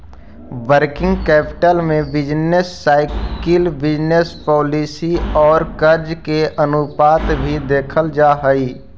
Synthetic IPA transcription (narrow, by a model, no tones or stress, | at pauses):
ʋəɾkɪ̃ŋɡkɛːpɪ̥ʈəlmẽbɪd͡ʒnesːaːɪkɪlbɪd͡ʒnespɔːlisiɔːɾkəɾd͡ʒkeʔənʊpaːt̪bʱid̪eːkʰəld͡ʒaːɦəiː